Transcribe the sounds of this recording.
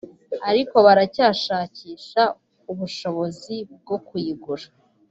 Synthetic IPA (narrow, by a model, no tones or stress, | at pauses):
aɾiko̞βaɾacaːʃaːciːʃa | uβuʃo̞βo̞zib̚ɡo̞kuiɡuɾa